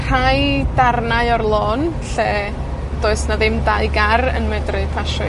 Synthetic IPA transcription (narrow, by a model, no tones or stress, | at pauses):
r̥ajdarnaɨɔrlˠoːn | ɬe | d̥oːɨsnaðɪmdaɨɡarə̰nmɛdrɨpʰaʃɨ